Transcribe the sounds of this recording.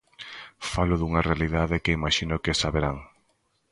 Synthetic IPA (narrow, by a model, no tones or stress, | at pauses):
falʊðuŋɐrealiðaðekeimaʃinʊkesaβeɾaŋ